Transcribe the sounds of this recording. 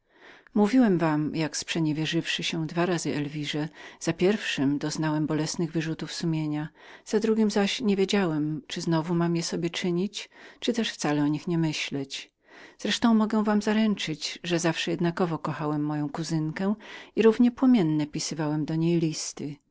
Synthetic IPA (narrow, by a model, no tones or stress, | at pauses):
muvʲiwɛmvamjakspʂɛɲɛvʲjɛʐɘfʂɘɕɛd̪vaɾazɘʔɛlvʲiʐɛz̥apʲjɛɾfʂɘmd̪ɔznawɛmbɔlɛsnɘɣvɘʐut̪ufsumʲjeɲa | z̥ad̪ɾuɡʲimzaɕɲevʲjed͡ʑawɛmt͡ʂɘznɔvumamjɛsɔbʲjɛt͡ʂɘɲit͡ɕt͡ʂɨt̪ɛʂft̪salɛɔɲixɲɛmɘɕlɛt͡ɕ | z̥ɾɛʂt̪ɔ̃w̃mɔɡɛw̃vamzaɾɛnt͡ʂɘd͡ʑʐɛzafʂɛjɛd̪nakɔvɔkɔxawɛmːɔjɔ̃w̃kuzɘŋkɛiɾuvɲɛpwɔmʲjɛnːɛpʲisɘɨvawɛmd̪ɔɲejlʲist̪ɘ